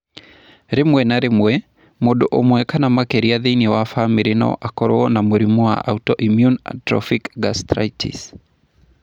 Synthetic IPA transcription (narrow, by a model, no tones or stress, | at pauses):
ɾemwɛnaɾemwɛ | modoʔomwɛkanamakɛɾiaðeinewafamiɾɪnɔ̰ʔakɔɾoɔnamoɾimoa̰ʔa̰utɔʔimjuna̰tɾɔ̰fikɡastɾa̰itḭs